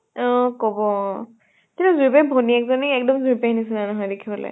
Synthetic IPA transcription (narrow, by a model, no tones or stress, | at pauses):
ɔkɔbɔ | tinuzuɹpɛbʱoniɛkzɔniɛk̚dɔmzupɛɦinisinanɔɦɔjdekʰibɔlɔ̰j